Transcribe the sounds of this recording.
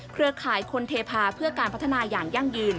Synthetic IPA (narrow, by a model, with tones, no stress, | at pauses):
kʰɾɯ˧əkʰaː˩˦jkʰo˧nt̪ʰeː˧pʰaː˧pʰɯ˥˩ɐkaː˧npʰt̪ʰːa˧naː˧jaː˨˩ŋja˥˩ŋjɯː˧n